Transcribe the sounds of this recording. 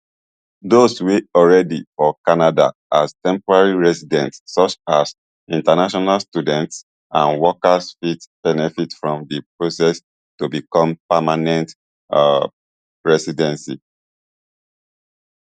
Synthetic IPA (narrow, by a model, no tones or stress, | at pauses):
dosweɔlɹɛdifɔkanada̰astɛ̃mpɔɹaɹiɹɛsidɛ̃ntssɔt͡ʃas | ĩntanaʃɔnalstjudɛ̃nts | ãnwɔkasfitb̥ɛnɛfitfɹɔ̃mdəpɹosɛs | tubikɔ̃mpamanɛ̃nt | ɹɛsidɛ̃nsi